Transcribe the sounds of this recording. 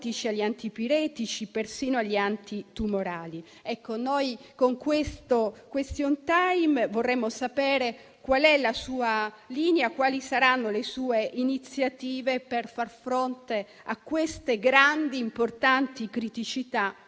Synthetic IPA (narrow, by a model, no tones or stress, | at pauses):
t̪it͡ʃiaʎːiant̪ipiɾɛːt̪it͡ʃipersiːnoaʎːiant̪it̪umoɾaːli | ɛkːonojkoŋkwest̪okwest̪jont̪ajmvorːɛmːosapɛːɾe | kwalɛlasuːa | liːneakwaːlisaɾanːolesuːeʔinit̪sjat̪iːveperfarfɾont̪e | akːwest̪eɡɾand̪iːmport̪ant̪ikɾit̪it͡ʃit̪a